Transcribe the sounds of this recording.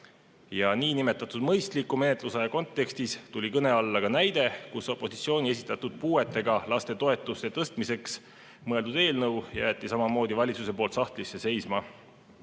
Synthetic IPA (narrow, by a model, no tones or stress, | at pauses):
jɑniːnime̞t̪ːˑɑt̪ːˑud̪̥mɤjst̪likːˑume̞net̪ˑlusɑjɑko̞nt̪ːˑe̞kst̪ist̪ulʲikɤne̞ɑlːɑɡ̥ɑnæjd̪e̞kuso̞pːˑo̞si̥t̪sio̞ːnʲie̞s̬ʲi̥t̪ːˑɑt̪ːud̪̥puːe̞t̪ˑːe̞ɡ̥ɑlɑst̪e̞t̪o̞e̞t̪ːˑust̪et̪ɤst̪mise̞ks | mɤe̞ld̪ud̪̥e̞ːlnɤwjæːt̪ˑːisɑmɑmo̞ːd̪̥ivɑlʲit̪suse̞po̞ːlt̪sɑht̪lisːe̞se̞jsmɑ